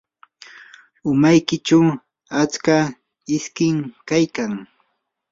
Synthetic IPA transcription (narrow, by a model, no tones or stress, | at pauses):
ʊmajkɪt͡ʃaw | at͡ska | ɪskɪŋkajkaŋ